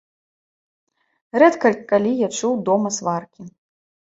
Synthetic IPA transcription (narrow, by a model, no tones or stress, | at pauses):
rɛt̪kɐlʲkːalʲijat͡ʂuwd̪ɔmɐsvarkʲi